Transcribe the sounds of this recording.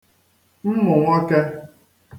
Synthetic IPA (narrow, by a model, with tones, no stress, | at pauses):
m̩˦mʊ˨ŋʷa˦ke˦